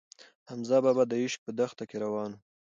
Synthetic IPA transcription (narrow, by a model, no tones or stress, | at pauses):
hamzɑbabad̪əɪʃpəd̪axt̪akeɾawɑnu